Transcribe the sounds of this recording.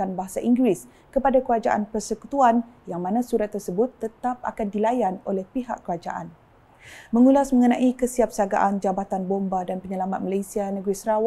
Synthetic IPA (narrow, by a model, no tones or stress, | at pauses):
anbaɦasaʔiŋɡɾis | kəpadakəɾad͡ʒa̰ʔa̰npərsəkut̪uanjaŋmãnãsuɾat̪ːərsəbʊt̪ːət̪apa̰kandilajanolɛhpiɦa̰kːəɾad͡ʒa̰ʔan | mə̃ŋulasmə̃ŋənãʔikəsiap̚saɡa̰ʔand͡ʒabat̪anbombadanpəɲəlamat̪̚malajsianə̃ɡɾisəɾaw